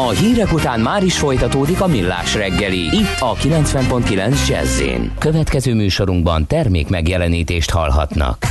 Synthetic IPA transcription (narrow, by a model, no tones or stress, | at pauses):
ɒɦiːɾɛkut̪aːnmaːɾiʃfo̞jt̪ɒt̪oːd̪ikɒmilːa̰ːʃrɛɡːɛliit̪ːɒkilɛnt̪sʋɛmpo̞nt̪kilɛnzd͡ʒɛ̰zːḛːnkøvɛt̪kɛzøːmyːʃo̞ɾuŋɡbɒnt̪ɛrmḛːkmɛɡjɛlɛniːt̪eːʃt̪hɒ̰lɦɒ̰t̪nɒ̰k